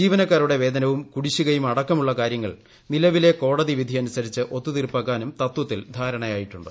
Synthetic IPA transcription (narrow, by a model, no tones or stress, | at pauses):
d͡ʑiːʋɐnɐkːaːɾuɽe̞ʋe̞ːd̪ɐnɐʋumkuɽiɕːuɣɐjumɐɽɐkːɐmuɭːɐkaːɾjɐŋːɐ̰ɭ | nilɐʋile̞ko̞ːɽɐðiʋid̪ʱiɐnusɐɾit͡ɕːɨʔo̞t̪ːut̪irpːɐɣaːnumt̪ɐt̪ːwɐt̪ːild̪ʱaːɾɐɳɐjaːjiʈːuɳɖɨ